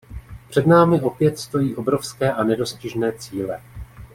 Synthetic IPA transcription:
pr̝̥ɛdnaːmɪʔo̞pjɛt̪st̪o̞jiːʔo̞bɾo̞fskɛːʔanɛdo̞scɪʒnɛːt͡siːlɛ

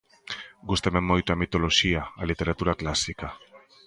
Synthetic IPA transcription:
ɡust̪ememːojt̪uamit̪o̞loʃiaːlit̪e̞ɾat̪uɾaklasika

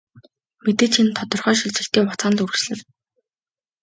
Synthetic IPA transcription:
met̪eːt͡ɕʰint̪ʰɔt̪ɞ̆rχœːʃiɮt͡sɘ̆ɬt̪eːʊt͡saːn̆ɮur̆sɮɘ̆n

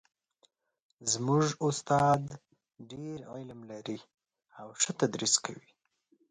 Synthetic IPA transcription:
zmuʐʊst̪ɑd̪ | ɖeɾa̰lamlaɾi | awʂət̪ad̪ɾiskʰawi

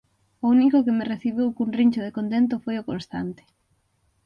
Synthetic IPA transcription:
ounikʊkemɪreθiβiwkunriɲt͡ʃʊðekont̪̬ent̪̬ʊfojʊkõnst̪a̰nt̪ɪ̥

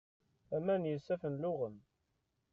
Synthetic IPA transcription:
æmænjəsːæfənlʊʁəm

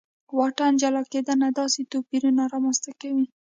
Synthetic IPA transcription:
wɑʈand͡ʒalɑked̪anad̪ɑset̪opiɾunaɾɑmanst̪akawi

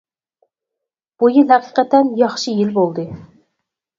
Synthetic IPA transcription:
b̥ujilɦæqʰiqɛt̪ɛnjɑχʃɨjilbolˠd̪ɨ

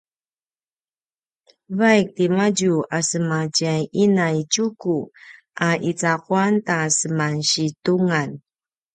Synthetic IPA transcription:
vajk̚timaɟuasəmacajʔinajt͡ɕuku | ʔaʔit͡saquantasəmanɕituŋan

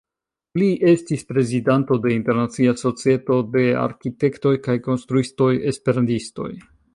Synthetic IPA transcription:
liʔe̞stispɾe̞zidanto̞de̞inte̞ɾnat͡siaso̞t͡sie̞to̞de̞a̰ɾkite̞kto̞jkajko̞nst̪ɾuisto̞je̞spe̞ɾantisto̞̰j

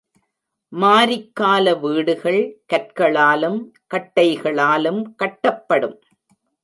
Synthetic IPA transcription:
maːɾɪkːaːlɐʋiːɽɯɣɐɭkɐʈkɐɭaːlɯmkɐʈːɐɪɣɐɭaːlɯmkɐʈːɐpːɐɽɯm

